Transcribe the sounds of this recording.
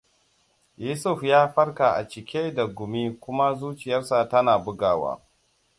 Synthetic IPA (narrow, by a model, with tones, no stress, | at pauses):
juː˦sʊ˦˨ɸjaː˦ɸɐ˦rka˨ʔa̰˨t͡ʃɪ˨kʲeː˦da˨ɡʷʊ˨miː˦kʷʊ˦ma˦zuː˦t͡ʃɪ˨jɐ˦rsa˨tɐ˦naː˨bʊ˦ɡaː˨wa̰ː˦